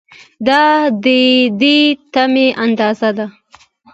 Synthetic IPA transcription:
d̪ɑd̪əd̪et̪ameʔand̪ɑzad̪a

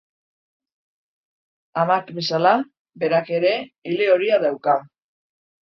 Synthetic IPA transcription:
amakbe̞sala | be̞ɾake̞ɾe̞ile̞o̞ɾiaðawka

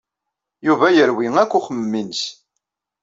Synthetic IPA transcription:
juvæjəɾwiŋækʷːʊχəmːins

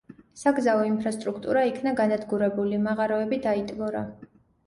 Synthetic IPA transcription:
saɡzaɔimpʰɾast̪ʼɾukʰt̪ʼuɾaikʰnaɡanad̪ɡuɾɛbulimaʁaɾɔɛbid̪ait̪ʼvɔɾa̰

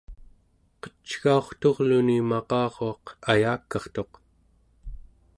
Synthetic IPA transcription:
qə̥t͡ʃɣao̞χt̪o̞ʁlunimɑqɑːʁo̞ɑqajaːkːɑχt̪o̞q

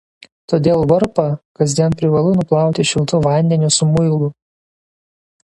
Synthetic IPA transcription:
t̪oːd̪ʲeːlˠʋɐɾpɐkɐzʲd̪ʲiɛnpʲɾʲɪʋɐlˠʊnʊplˠɑˑʊt̪ʲɪʃʲɪlˠt̪ʊʋɐˑnʲd̪ʲɛnʲʊsʊmʊɪlˠʊ

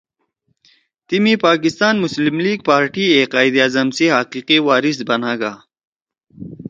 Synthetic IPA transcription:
t̪imipaːkist̪aːnmʊslimliːɡ̚paːɾʈieːqaːjd̪aːzɐmseɦɐqiːqiwaːɾisbɐnaːɡaː

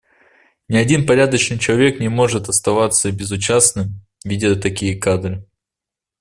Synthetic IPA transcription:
nʲɪɐdʲinpɐɾʲad̪ət͡ɕnɨjt͡ɕɪlˠɐvʲe̞knʲɪmo̞ʐɨt̪ɐst̪ɐvat̪sːəbʲɪzʊt͡ɕasnɨm | vʲidʲɪt̪ɐkʲijəkad̪ɾɨ

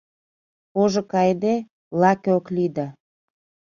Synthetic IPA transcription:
oʒŏkɑjd̪e | lɑkeoklid̪ə

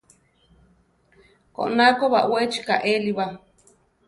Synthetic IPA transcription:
ko̰ʔnakoβa̰ʔwet͡ʃi̥kaʔeliβa

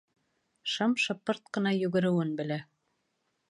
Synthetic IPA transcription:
ʃɤmʃɤ̆pːɤɾt̪̚qɤ̆nɑjɵ̆ɡɘ̆ɾɘ̆wɘnbɘ̆læ

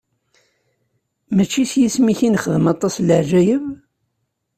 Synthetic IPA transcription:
mæt͡ʃːisjismiçinχəðəmɑt̪ˤːɑsləʕʒæjəv

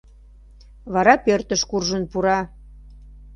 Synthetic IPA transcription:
βɑɾɑpørt̪əʃkurʒənpuɾɑ

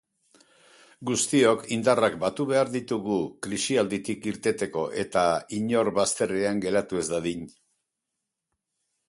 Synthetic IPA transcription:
ɡust̪io̞kind̪arakbat̪uβe̞aɾðit̪uɣukɾisiald̪it̪ikiɾt̪e̞t̪e̞ko̞ʔe̞t̪aiɲo̞ɾβast̪e̞reaŋɡe̞ɾat̪ue̞zd̪aðiɲ

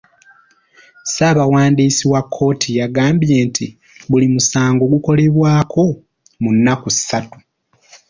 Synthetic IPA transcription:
saːβawaːndiːsiwakʰːo̞ːtʰijaɡaːmbje̞ːntʰi | βulimusaːŋɡo̞ːɡuko̞le̞βwaːkʰo̞ | munːakusi̥satu̥

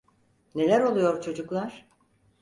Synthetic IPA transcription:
ne̞lʲæɾo̞lˠujo̞ɾt͡ʃʰo̞d͡ʒuklˠaɾ̥

